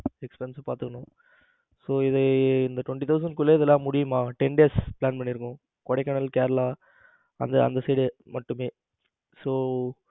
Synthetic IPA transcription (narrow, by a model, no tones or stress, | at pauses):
ɛkspɛɾɪnsɐpaːɾt̪ɯkːɐɳʊ̃ | soːɪðɐɪnd̪ɐʈʋɐɳʈit̪ɐʊs̬ɐnɖkʊlːeɪðɛlːãːmʊɽɪjɯmaːʈɛnɖeːspɭaːnpɐɳːɪɾɯkːʊ̃ | kɔɽɛɪkːɐɳɐlkaːɾɐlaː | ɐ̰nd̪ɐɐ̰nd̪ɐseːɽemɐʈːɯmeː | soː